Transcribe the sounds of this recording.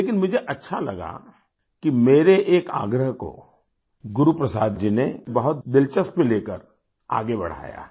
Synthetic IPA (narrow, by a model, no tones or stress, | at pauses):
leːkɪnmʊd͡ʒʱeʔɐtːʃʰalɐ̰ɡa̰ | kimeːɾeʔeːka̰ːɡɾəɦko̰ | ɡʊɾupɾəsaːd̪d͡ʒinebɐɦʊt̪̚d̪ɪlt͡ʃəspeleːkəɾ | a̰ːɡebɐ̰ɽ̤a̰ːja̰ː